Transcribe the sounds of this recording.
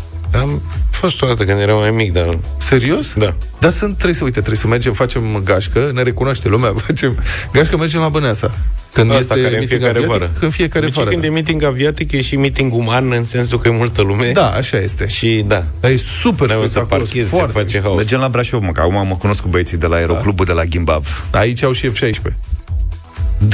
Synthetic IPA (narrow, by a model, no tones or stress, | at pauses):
amfo̞st̪od̪at̪əkɨnd̪jeɾawmajmik̚d̪ase̞ɾio̞sd̪ad̪asɨnt̪̚t̪ːɾebjsəujt̪ət̪ɾejsəme̞rd͡ʒe̞mfat͡ʃe̞mɡaʃkəne̞ɾe̞kunoaʃt̪elumeafat͡ʃe̞mɡaʃkəmerd͡ʒemlabɨneasakɨnd̪est̪aeaefiekaɾeaaiɾɨnfie̞kaɾevakɨnemit̪̬iŋɡaviat̪ikjeʃimit̪iŋɡumanɨnse̞nsukəjemult̪əlume̞d̪aa̰ʃaje̞st̪e̞ʃid̪a | d̪ajesuperssakpaokefoart̪fat͡ʃeɦaomed͡ʒemlabɾaʃovməka̰kumaməkuno̞skubəet̪sijd̪e̞laeɾoklubud̪e̞laɡʲimba̰vait͡ʃʲawʃiefʃajʃpe̞